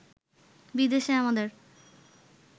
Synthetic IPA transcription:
bid̪eʃeamad̪eɾ

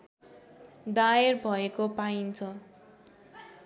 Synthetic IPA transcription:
d̪aerbʱʌekopaint͡sʰʌ

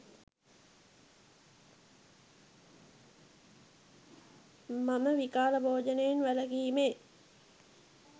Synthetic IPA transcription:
maməʋikaːləbʱoːd͡ʒənejenʋæləɡiːmeː

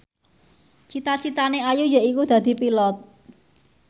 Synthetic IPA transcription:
t͡ʃit̪at͡ʃit̪aneajujaʔikud̪̥ä̤d̪̥i̤pilɔt̪̚

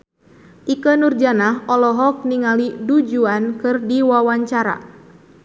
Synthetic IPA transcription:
ʔikənurd͡ʒanaɦɔlɔɦɔk̚niŋalidud͡ʒuankɨrdiwawaɲt͡ʃaɾa̰

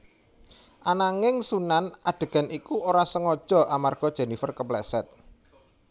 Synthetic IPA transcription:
ʔanaŋɪŋsunanaɖ̪̥e̤ɡ̥a̤nikuoɾasəŋɔd̥ʒ̥ɔ̤ʔamarɡ̥ɔd̥ʒ̥e̤nifərkəplɛsɛt̪̚

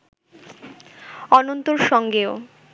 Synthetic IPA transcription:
ɔnont̪oɾʃɔŋɡeo

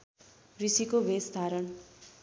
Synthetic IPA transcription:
risikobʱesd̪ʱaɾʌn

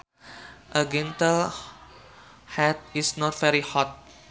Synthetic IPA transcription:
ʔəɡɛ̃ntəl | hɛt̚isnɔt̚vɛɾihɔt̚

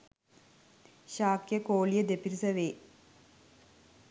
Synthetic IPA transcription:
ɕaːkjɐkoːɭijɐd̪epiɾisɐʋeː

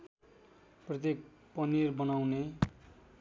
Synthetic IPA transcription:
prʌt̪̬jek̚ | pʌnirbʌnawne

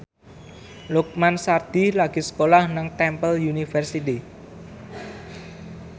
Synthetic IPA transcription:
luk̚mansard̪̥ilaɡ̥i̤sə̥kolahnaŋt̪ɛmpəljunifərsit̪i

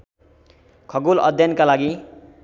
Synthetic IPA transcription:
kʰʌɡulʌ̰d̪ʱjʌnkalaɡi

